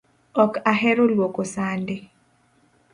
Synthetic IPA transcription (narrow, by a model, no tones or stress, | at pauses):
ɔkaɦɛɾolwokosandɪ